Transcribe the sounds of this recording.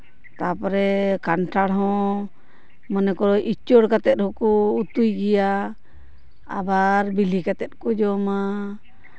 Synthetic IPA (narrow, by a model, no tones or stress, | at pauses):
t̪apɔɾɛkanʈʰaɽɦɔ̃ | mənɛkɔɔʔit͡ʃɔɽkat̪ɛt̪̚hɔkɔːt̪ujɡɛja | baɾbilikat̪ɛt̪̚kɔd͡ʒɔma